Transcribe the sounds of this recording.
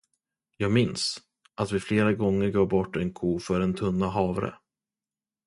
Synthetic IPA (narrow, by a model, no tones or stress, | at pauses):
jɑːɡmɪns | ʔat̪vɪfleːɾaɡɔŋːəɾɡoːɾbɔʈːɛnkʰuːfœɾɛnt̪ʰɵnːaɦɑːvɾə̰